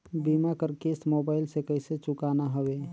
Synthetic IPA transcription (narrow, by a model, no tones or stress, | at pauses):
bimakəɾkesʈmobaːɪlsekəɪset͡ʃʊkanaɦəwe